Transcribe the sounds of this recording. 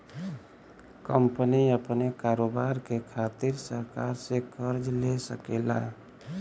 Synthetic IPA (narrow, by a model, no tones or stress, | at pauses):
kəmpəniəpnekaɾobaɾkekʰat̪iɾsəɾkaɾsekʰəɾd͡ʒlesəkela̰